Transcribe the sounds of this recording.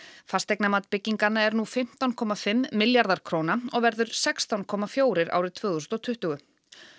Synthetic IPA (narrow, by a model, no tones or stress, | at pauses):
fast̪ejknamat̪pɪcːiŋkanaɛɾnufɪm̥t̪awnkʰɔːmafɪmːɪljaɾðaɾ̥kʰɾoːwnaɔɣvɛɾðʏɾ̥sɛkst̪awnkʰɔːmafjoːwɾɪɾa̰wɾɪðt̪ʰvœːðʏsnɔt̪ʰʏht̪ʏɣʏ